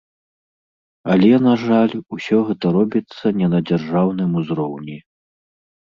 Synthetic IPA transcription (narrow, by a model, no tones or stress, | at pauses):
ɐlʲɛnaʐalʲusʲɔɣɛt̪ɐɾɔbʲit̪sːɐnʲɛnɐd͡zʲarʐawn̪ɨmuzɾɔwnʲi